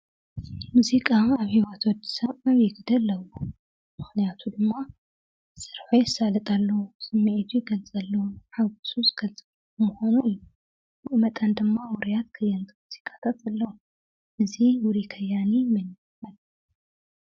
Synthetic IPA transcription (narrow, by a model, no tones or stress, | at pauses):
muzikʼaaβhiwɐt̪wɔd̪ːi̥saβaβjɪɡɨd̪ɐlːɐwu | mɨxnijat̪ʰud̪ɨmːa | sɨɾħojɪsalɐt̪ʼalːɐwusɨmːiʔet̪ʰujiɡɐlt͡sʼɐlːɐwuħaɡusuzɨɡ̥ɐlt͡sʼɨβ | muxonuu | wɨʔɨmɐt̪ʼand̪ɨmːawɔɾijat̪kʰɐjːant̪ʰʼɨmuz̥ikʼḁt̪ʰat̪ɐlːɐwu | ʔɨziwʊɾikʰɐjanimɐni | fal